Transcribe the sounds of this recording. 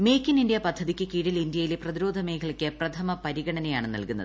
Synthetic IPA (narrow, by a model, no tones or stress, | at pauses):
meːkʲːinindjɐpɐd̪ʱːɐðikʲːɨkiːɽilind̪jɐjileprɐðiɾo̞ːd̪ʱɐme̞ːkʰɐɭkʲːɨprɐt̪ʰɐmɐpɐɾiɣɐɳɐnɐjaːɳɨnɐ̰lkunːɐðɨ